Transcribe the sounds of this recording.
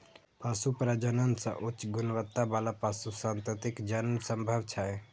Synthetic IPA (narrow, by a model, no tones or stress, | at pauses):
pasupɾad͡ʒənənsə̰̃ʔut͡ʃɡunʋət̪ːabalapasusãːnt̪ət̪ikd͡ʒənmsəmbʱəʋt͡ʃʰaj